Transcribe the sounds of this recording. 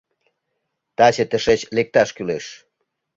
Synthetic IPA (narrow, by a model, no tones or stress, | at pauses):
t̪ɑt͡ɕĕt̪əʃet͡ɕlek̚t̪ɑʃkyleʃ